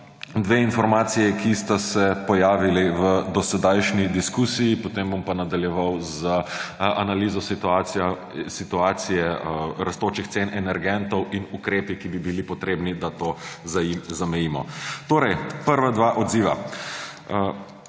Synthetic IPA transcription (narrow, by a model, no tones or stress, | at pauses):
d̪ʋeinfɔɾmaːt̪sijɛkist̪asɛpɔjaːʋiliʋəd̪ɔsɛd̪ajʃnid̪iskuːsijipɔt̪embompanad̪aljɛʋawzəʔanaliːzɔst̪a | sit̪uaːt̪sijɛɾɐst̪oːt͡ʃixt̪senɛnɛɾɡɛnt̪ɔwʔinukɾeːpikibibilipɔt̪ɾeːbnid̪at̪oːzaizamɛjiːmɔ̰t̪oːɾɛjpəɾʋad̪ʋaːʔɔd̪ziːʋa̰